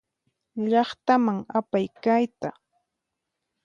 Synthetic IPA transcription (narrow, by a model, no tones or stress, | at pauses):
ʎɑχt̪amaŋapajkajt̪a